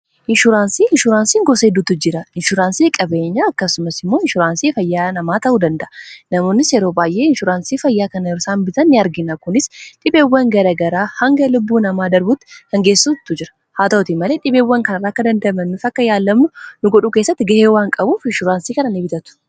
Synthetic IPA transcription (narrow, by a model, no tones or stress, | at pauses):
ʔɪnʃʊɾaːnsiːɪnʃʊɾaːnsiːŋɡɔseːd̪ʊt̪ːʊd͡ʒɪɾɐɪnʃʊɾaːnsiːkʼɐbe̞ːɲːaːɐkːɐsʊmɐsɪmːo̞ːɪnʃʊɾaːnsiːfɐjːaːnɐmaːt̪ɐʔuːd̪ɐnd̪ɐʔɐnɐmo̞ːnːɪsjɛɾoːbaːjʔe̞ːɪnʃʊɾaːnsiːfɐjːaːkɐnɐɾsaːmbɪt̪ɐnːɪɐɾɡɪnɐkʊnɪsᶑɪbeːwːɐŋɡɐɾɐɡɐɾaːhɐŋɡɐlʊbːuːnɐmaːd̪ɐɾbʊt̪ːɪ̥hɐŋɡe̞ːsuːt̪ːʊd͡ʒɪɾɐ̥ | haːt̪ot̪iːmːɐle̞ːᶑɪbeːwːɐŋkɐnɐɾaːɐkːɐd̪ɐnd̪ɐmɐnːʊfɐkːɐjaːlːɐmːʊnʊɡɔᶑuːkesːɐt̪ːɪɡɐheːwaːŋkʼɐbuːfɪnʃʊɾaːnsiːkɐnɐnebɪt̪ɐt̪ʊ̥